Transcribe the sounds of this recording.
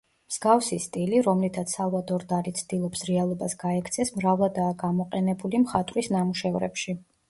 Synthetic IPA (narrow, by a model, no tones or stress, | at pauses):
mz̥ɡafsist̪ʼiliɾɔmlit̪ʰat̪ssalˠvad̪ɔɾd̪aɾit̪sʰd̪̥ilˠɔpsɾɛalˠɔbasɡaɛkʰt̪sʰɛsmɾavlˠad̪aːɡamɔqʼɛnɛbulimχat̪ʼɾisnamuʃɛvɾɛ̰pʃi